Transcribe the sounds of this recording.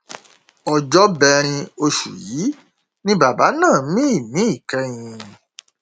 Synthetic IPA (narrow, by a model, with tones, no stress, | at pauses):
ɔ˨d͡ʒɔ˦bɛ˧ɾ̃ĩ˧o˧ʃṵ˨ji˨˦ | nĩ˦ba˨ba˨˦nãː˦˨˦mĩ˦i˦˨mĩ˨˦i˦˨kɛ˧˦j̃ĩ˧